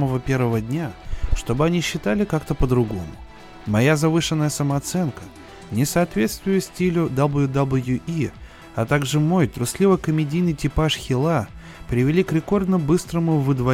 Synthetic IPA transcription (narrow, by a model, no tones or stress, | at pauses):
məvəpʲe̞rvəvədʲnʲaʂt̪o̞bɨɐnʲiɕːɪt̪alʲɪkakt̪əpəd̪ɾʊɡo̞̰mʊ̰ | mɐjazɐvɨʂɨnːəjəsəməɐt̪sɛnkə | nʲɪsɐːt̪vʲe̞t̪st̪vʊjʊsʲtʲilʲʊd̪ablˠjʊd̪ɐblʲˠjuʔi | ɐt̪aɡʐɨmo̞jt̪ɾʊslʲivəjkəmʲɪdʲijnɨjtʲɪpaʂxʲɪlˠa | pɾʲɪvʲɪlʲikɾʲɪko̞rd̪nəbɨst̪ɾəmʊvɨd̪vɐ